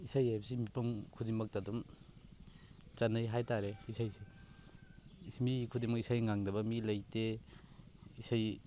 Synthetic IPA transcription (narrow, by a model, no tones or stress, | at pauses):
isajajbsimipɐmkʰudiŋmɐk̚tadum | t͡ʃanːɯjɦajtaɾeisajsi | smikʰudiŋmɐkisajŋaŋdɐbɐmilɐjte | isaj